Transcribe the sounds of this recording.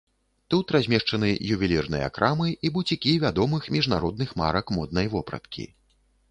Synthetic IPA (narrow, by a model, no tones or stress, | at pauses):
t̪ut̪ɾazʲmʲɛʂt͡ʂɐnɨjuvʲilʲirnɨ̰jɛ̰a̰kɾʔamɨʔibut͡sʲikʲivʲad̪ɔmɨxmʲiʐnaɾɔd̪nɨxma̰ɾɐkmɔd̪̚nɐjvɔpɾɐ̰t̪kʲʰḭ